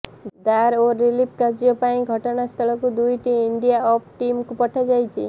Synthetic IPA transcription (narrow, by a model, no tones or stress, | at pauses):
d̪aɾoɾilip̚kaɾd͡ʒiɔpaĩɡʱɔʈɔnast̪ʰɔɭɔkud̪ujʈiːɳɖijaɔp̚ʈimkupɔʈʰad͡ʒajt͡ʃʰḭ